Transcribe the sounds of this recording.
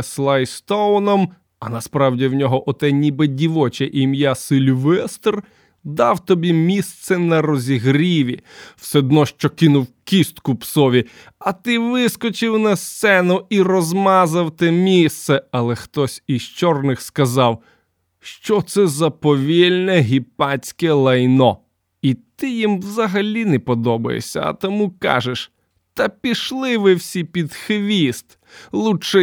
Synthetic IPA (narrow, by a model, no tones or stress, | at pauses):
slˠajst̪ɔnɔm | ɐnɐspɾɑwdʲiwnʲɔɦɔʔɔt̪ɛnʲibɪdʲiʋɔt͡ʃɛʔimjasɪlʲʋɛst̪r | d̪ɑwt̪ɔbʲimʲist̪sɛnɐrɔzʲiɦɾʲiʋʲiwsɛd̪nɔʃt͡ʃɔkɪnʊwkʲist̪kʊpsɔʋʲi | ɐt̪ɪʋɪskɔt͡ʃɪwnɐst̪sɛnʊirɔzmɑzɐwt̪ɛmʲist̪sɛɐlˠɛxt̪ɔsʲiʃt͡ʃɔrnɪxskɐzɑw | ʃt͡ʃɔt̪sɛzɐpɔʋʲilʲnɛɦʲipɑt͡sʲkɛlˠɐjnɔ | it̪ɪjimwzɐɦɐlʲinɛpɔd̪ɔbɐ̰jḛsʲɐ̰ɐ̰t̪ɔmukɑ̰ʒeʃ | t̪ɐpʲiʃlˠɪʋɪwsʲipʲid̪xʋʲist̪ | lˠuʃɛ